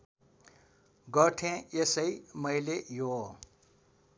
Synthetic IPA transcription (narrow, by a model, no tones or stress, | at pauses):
ɡʌʈʰẽesʌjmʌjlejo